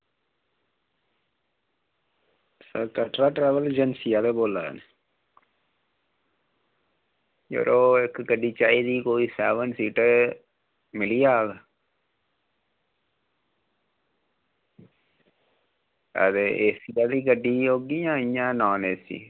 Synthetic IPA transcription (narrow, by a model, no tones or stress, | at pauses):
səkəʈɾaːʈɾɛːʋəld͡ʒənsijaːt̪eːboːla̰ːne | d͡ʒo̰ɾoːɪkɡəɖiːt͡ʃaːiːd̪iːkoːiːsɛːʋənsiːʈː | mɪliːaːɡa | ə̰d̪eːʔeːsijaːd̪iːɡəɖːiːoːɡijãːɪjãːnɔːneːsḭː